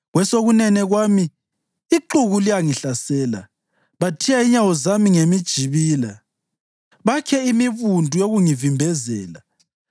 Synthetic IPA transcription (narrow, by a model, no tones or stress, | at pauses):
ɣwɛsoɣunɛnɛɣwaːmiː | ǃuɣulijaŋiɬasɛːla̰ | βatʰijaiɲawɔzamiŋemid̥ʒ̥ʱiβiːla | βakʰɛimiβundʱujoɣuŋivimbʱɛzɛ̰ːla